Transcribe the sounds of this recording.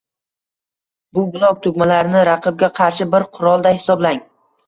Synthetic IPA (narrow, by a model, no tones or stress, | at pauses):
bʊbʊlˠɒk̚t̪ʰʊɡʲmalaɾɪnɪɾɑqʰɨb̚ɡʲaqʰɑɾʃɪbɪɾqʰʊɾɒlˠd̪ahɪ̥sɒblaŋ